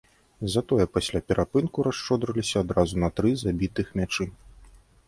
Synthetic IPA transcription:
zɐt̪ɔjɛpasʲlʲapʲɛɾʔapɨnkuɾaʂt͡ʂɔd̪ɾɐlʲisʲɐːd̪ɾazunɐt̪ɾɨzabʲit̪ɨxmʲat͡ʂɨ

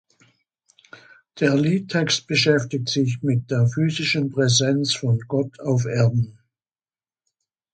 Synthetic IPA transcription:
d̥eːɐliːt̚tʰɛkst̚b̥əʃɛftɪk̚tz̥ɪç̬mɪt̚d̥eːɐfyːzɪʃən̩pʁ̥ɛzɛnt͡sfɔnɡɔtʰaʊfeɐdn̩

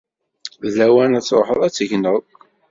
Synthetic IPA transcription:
ðæwænæt͡sːɾˤo̰ħəðˤæt͡sːəʝnəð

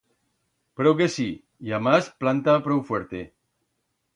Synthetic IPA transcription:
pɾowkesi | jamasplant̪apɾowfweɾt̪e

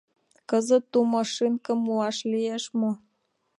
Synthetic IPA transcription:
kəzə̆t̪ːumɑʃinkə̆muɑʃlijeʃmo

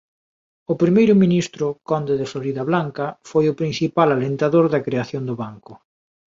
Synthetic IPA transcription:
ʊpɾimejɾʊminist̪ɾʊkɔnd̪eðɪfloɾiðɐβlaŋkɐfojʊpɾinθipalalent̪aðoɾðɐkɾeaθjond̪ʊβaŋkʊ

